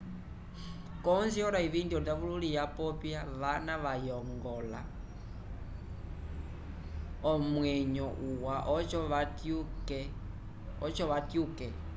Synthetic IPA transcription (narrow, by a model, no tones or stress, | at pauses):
kɔnziɔɾaiβindiɔdafululijapɔpjaʋanaʋajɔŋɡɔla̰ | ɔmwɛɲɔʔuwaʔɔt͡ʃɔatkɛ | ɔt͡ʃɔʋatjukɛ